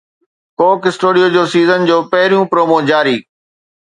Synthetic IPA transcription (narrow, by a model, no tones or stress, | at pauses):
koːkɪsʈuːɽijoːd͡ʑoːsiːzənd͡ʑoːpɐɦɪɾijũpɾoːmoːd͡ʑaːɾiː